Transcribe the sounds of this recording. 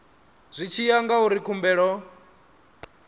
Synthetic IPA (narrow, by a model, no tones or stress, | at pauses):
z̥ʷit͡ʃʰijaŋɡauɾikʰumbɛːɺɔ